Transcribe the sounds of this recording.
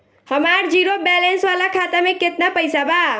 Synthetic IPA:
həmaɾd͡ʒiɾobɛlensʋalakʰat̪amẽket̪napəjsaba

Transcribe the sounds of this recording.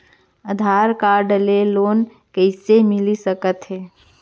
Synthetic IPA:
əd̪ʱaːɾkaːɾɖleloːn | kəɪsemɪlisəkət̪ɦɛː

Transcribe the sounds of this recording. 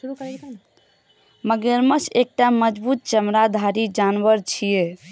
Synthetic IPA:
ɾu | məɡeɾməsek̚ʈaməd͡ʒbut̪̚t͡ʃəmɾad̪ʱaɾid͡ʒanʋəɾt͡ʃʰije

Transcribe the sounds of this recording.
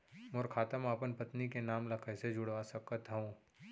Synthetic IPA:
mʊːɾkʰaːt̪əmaːpənpət̪nikenaːmlɐkʰəɦsed͡ʒʊɽʋasɐkət̪ɦõː

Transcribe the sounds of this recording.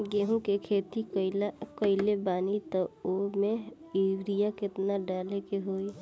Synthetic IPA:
ɡeːɦũkekʰeːt̪ikɪlakəɪlebaːnit̪oomẽ | iɾijakɪt̪naɖaːlekeɦoːi

